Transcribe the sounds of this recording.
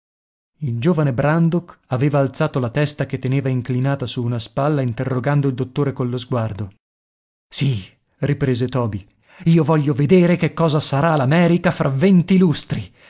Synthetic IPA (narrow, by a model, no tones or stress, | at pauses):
ild͡ʒoːvanebɾand̪okaveːvaːlt̪saːt̪olat̪ɛst̪aket̪ːeneːvaiŋklinaːt̪asuːnaspalːaint̪erːoɡand̪oild̪ot̪ːoːɾekollozɡward̪o | si | ripɾeːzet̪ɔːbi | iːovɔʎːoved̪eːɾekekːɔːzasaɾalamɛːɾikafɾavent̪ilust̪ɾi